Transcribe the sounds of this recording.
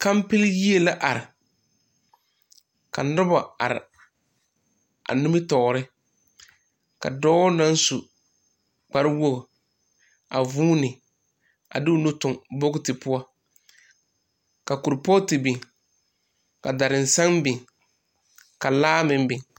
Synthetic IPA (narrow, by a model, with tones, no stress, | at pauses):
ka˦m˦pɪ˦lji˦e˦la˦ʔa˨ɾɪ˨ | ka˨nʊ˦ba˨a̰˨ɾɪ̰˨ | a̰˨nu˦mɪ˦tɔː˨ɾɪ˦ | ka̰˨dɔ˦na˦n˦su˨ | k͡pa˨ɾwo˦ɣʊ˨ | a˨vuː˦nɪ˨ | a̰˨dɪ˦ʊ˦no˦tʊ˨ŋbo˦ɡtɪ˨pʊ˦a˦ | ka˨ku˨ɾpɔ˦tɪ˨bɪ˨ŋ | ka˨da˨ɾɪ˨n̩˨sa˦ŋbɪ˨ŋ | ka˨laː˦mɪ̃˦m˦bɪ˨ŋ